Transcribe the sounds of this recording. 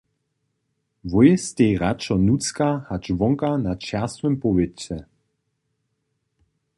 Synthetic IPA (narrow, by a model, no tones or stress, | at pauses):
vɔjɛst̪ejʁat͡ʃɔnut͡skahat͡ʃvɔŋkanat͡ʃɛʁst̪vɛmpɔvet͡sɛ